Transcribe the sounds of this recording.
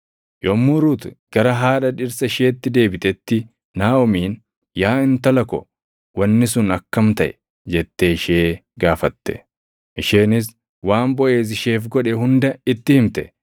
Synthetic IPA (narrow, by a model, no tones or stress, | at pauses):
jɔmːʊɾut̪ɡ̥ɐɾɐɦaːᶑɐᶑɪɾsɐɪʃeːt̪ːɪd̪e̞ːbɪt̪ɛt̪ːɪ | naːɔmiːn | jaːɪnt̪ɐlɐkɔ | wɐnːɪs̬ʊnɐkːɐmt̪ɐʔɛ̥ | d͡ʒɛt̪ːeːɪʃeːɡaːfɐt̪ːɛ̥̰ | ʔɪʃeːnɪs | waːmbɔʔe̞ːs̬ɪʃeːfɡɔᶑɛhʊnd̪ɐɪt̪ːɪhɪmt̪ɛ